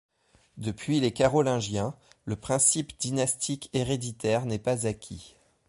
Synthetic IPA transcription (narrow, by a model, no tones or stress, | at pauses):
d̪əpɥilekaʁɔlɛ̃ʒjɛ̃ləpχɛ̃sipd̪̥inast̪ʰikeʁed̪it̪ɛʁnɛpazakʲʰi